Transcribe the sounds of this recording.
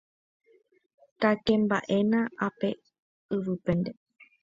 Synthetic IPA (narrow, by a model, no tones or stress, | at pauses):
k̪akẽ̞mbaʔe̞nãʔape̞ | ɨʋɨpend̪e̞